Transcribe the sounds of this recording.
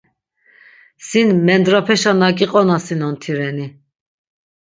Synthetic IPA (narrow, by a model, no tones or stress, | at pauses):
sinmɛnd̪ɾapʰɛʃanakʼiqʼɔnasinɔnt̪ʰiɾɛni